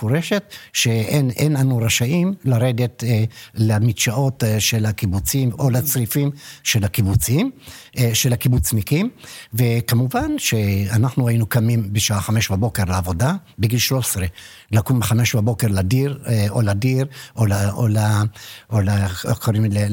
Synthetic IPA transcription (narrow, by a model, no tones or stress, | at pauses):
uɾeʃe̞tʃeʔenḛnlanuɾaʃaʔimlaɾedetlemit͡ʃao̞tʃelakibut͡simo̞lat͡sʁifimʃe̞lakibut͡simʃelakibut͡smikimvekamuvanʃeanaχnuainukamimbeʃaaχame̞ʃvabo̞keʁleavo̞dabeɡilʃlo̞ʃesɾe | lakumbeχame̞ʃvabo̞ke̞ʁladiʁoladiɾʔolaolaʔolaekoɾimle